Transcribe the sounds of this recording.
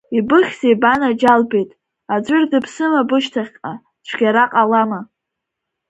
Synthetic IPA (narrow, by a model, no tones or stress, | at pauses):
ibɨχʲz̥ejbanad͡ʒalbejtʼ | ad͡ʒʷʊrdɨpʰsɨmabɨʃtʰaχʲqʼa | t͡ʃʷʰɡ̥ʲaɾaqʼalama